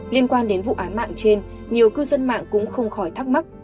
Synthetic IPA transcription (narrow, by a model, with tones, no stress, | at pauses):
li˧ənkwaː˧nɗe˨˦nvṵ˧˨ʔaː˨˦nma̰ː˧˨ŋt͡ɕe˧n | ɲi˨˩əwkɨ˧zə˧nma̰ː˧˨ŋkʊ̰˧˥ŋ͡mxə˧wŋ͡mxɔ˧˩jt̪ʰa˦˥k̚ma˦˥k̚